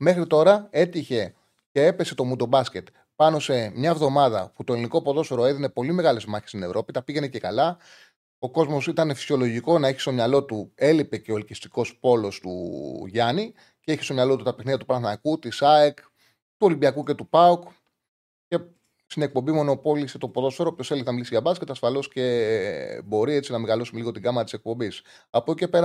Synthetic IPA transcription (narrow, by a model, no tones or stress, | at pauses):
me̞xɾit̪o̞ɾɐe̞t̪içe̞ | ce̞epe̞se̞t̪o̞mud̪o̞bɐsce̞t̪ | pɐno̞se̞mɲɐvðo̞mɐðɐ̰put̪o̞e̞liniko̞poðo̞sfoɾoe̞ðine̞po̞lime̞ɣɐle̞zmɐçest̪ine̞vɾʔo̞pit̪ɐpiʝe̞ne̞ce̞kɐlɐ | o̞ko̞zmo̞sit̪ɐne̞fi̥sio̞lo̞ʝiko̞nɐeçi̥st̪o̞mɲɐlo̞t̪ue̞lipe̞ceo̞elcist̪i̥ko̞spo̞lo̞st̪ṵʝɐni | ceeçi̥st̪omɲɐlo̞t̪ut̪ɐpexniðjɐt̪upɾɐθnɐkut̪isɐek | t̪uo̞limbiɐkuce̞t̪upɐuk | ce̞ | st̪ine̞k̚po̞mbimo̞no̞po̞liset̪o̞poðo̞soɾoopçoselinɐmilisiʝɐbɐsket̪ɐsfɐlo̞sce̞ | bo̞ɾiet͡sinɐmeɣɐlo̞sumeliɣo̞t̪iɡɐmɐɾɐt̪i̥sek̚po̞mbis | ɐpoce̞pe̞ɾɐ